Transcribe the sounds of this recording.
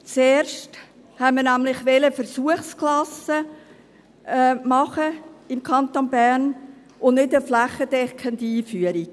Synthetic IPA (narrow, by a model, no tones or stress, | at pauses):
t͡seːɾʃt | hɛməɾnæmlɪχʋɛləfəɾsuəχsklɑsə | mɑχəɪmkʰɑnt̪onbærn | ʔʊnnɪdəflæχəd̥ɛkʰχəndiːfyəɾi̥